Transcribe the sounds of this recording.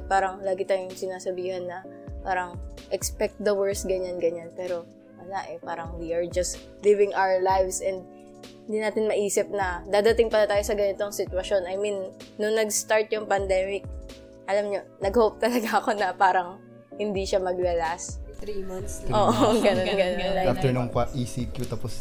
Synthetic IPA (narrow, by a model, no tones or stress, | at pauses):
paːɾɐŋlaːɡɪt̪aːjojʊŋsɪnaːsɐbiːhɐnːɐpaːɾɐŋʔɛkspɛk̚t̪̚d̪ɐwɛɹsɡɐɲanɡɐɲanpɛːɾo̞ | wɐlaʔɛpaːɾɐŋwiʔɐɹd͡ʒɐst̪ | livɪŋʔawəɹlajvsʔɛnd̪̚ | hɪnd̪inaːt̪ɪnmɐʔiːsɪp̚nɐd̪aːd̪ɐt̪ɪŋpɐnɐt̪aːjo̞sɐɡɐnɪt̪oŋsɪt̪wɐʃo̞nɐjminːʊŋnɐɡst̪aɹt̪̚jʊŋpɐnd̪ɛːmɪk̚ | ʔɐlamɲo̞nɐɡhowp̚t̪ɐlɐɡaʔɐko̞nɐpaːɾɐŋ | hɪnd̪iʃamɐɡ̚lɐlast̪ɾimɐnoːʔoɡɐnonɡɐnɐnɐaft̪ɛɹnoŋkaʔiːsikjot̪ɐpos